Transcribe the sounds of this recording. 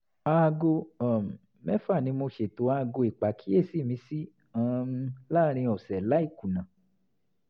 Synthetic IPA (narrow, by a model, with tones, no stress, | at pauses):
a˧ɡo˧a˨m̩˨ | mɛ˦fa˦˨nĩ˧˦mo˧ʃe˨to˨˦a˧ɡo˧i˨k͡pa˨kʰi˦e˦˨si˦˨mĩ˧˦si˦ | ã˧˦˧la˦ɾ̃ĩ˧ɔ˨sɛ˨la˨˦i˦˨ku˨nã˨